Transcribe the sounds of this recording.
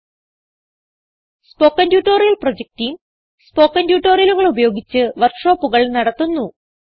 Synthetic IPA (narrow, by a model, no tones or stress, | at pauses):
spo̞ːkːɐndjuːʈːoːrijɐlprod͡ʑek̚tijum | spo̞ːkːɐndjuːʈːoːrijɐluɣɐɭubɐjo̞ːɡit͡ɕːɨʋɐrkʂo̞ːpːuɣɐɭnɐɽɐt̪ːunːu